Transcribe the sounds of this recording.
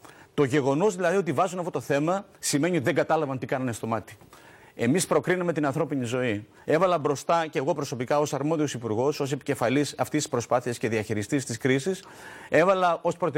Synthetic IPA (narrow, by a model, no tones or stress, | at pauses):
t̪o̞ʝe̞ɣo̞no̞zðilɐðio̞t̪ivɐzunɐft̪o̞t̪o̞θe̞mɐsim̞ɲiot̪iðe̞ŋɡɐt̪ɐlɐvɐnt̪ikɐnɐnest̪o̞mɐt̪i̥ | e̞mispɾo̞kɾinɐme̞t̪inɐnθɾo̞pinizo̞i | e̞vɐlɐbɾo̞st̪ɐce̞ːɣo̞pɾo̞so̞pikɐo̞sɐɾmo̞ðio̞sipuɾɣo̞so̞se̞pice̞fɐlisɐft̪isi̥spɾo̞spɐθiɐsce̞ðiɐçiɾist̪ist̪iskɾisis | e̞vɐlɐo̞spɾo̞t̪